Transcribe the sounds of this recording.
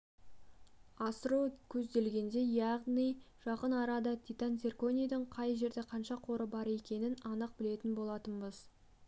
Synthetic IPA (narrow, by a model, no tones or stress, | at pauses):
ɑsəɾukʲʰɵzd̪e̞lɡʲe̞nd̪e̞jɑʁnijʒ̥ɑqənɑɾɑd̪ɑt̪ʲit̪ant̪serko̞nʲijd̪əɴqʰɑjʒe̞ɾd̪e̞qʰɑnʃɑqʰo̞ɾəbɑɾe̞kʲe̞nɪnɑnəq̚bɪle̞t̪ɪnbo̞lˠɑt̪ənbəz̥